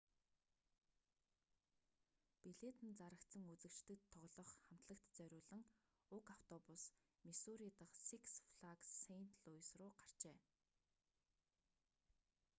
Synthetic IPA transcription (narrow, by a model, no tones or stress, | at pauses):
piɮet̪ɘ̆nt͡saɾə̆kt̪sə̆ŋut͡sɘ̆kt͡ɕt̪ɘ̆kt̪ʰːɔʁɮɞ̆χχam̥t̪ɮə̆k̚t̪t͡sœɾʲʊːɮɘ̆ŋ | ʊkaw̥t̪ʰɔpʊs | misuɾit̪ə̆χsiksfɮaksen̥t̪ɮʊjsrʊːɢar̥t͡ɕeː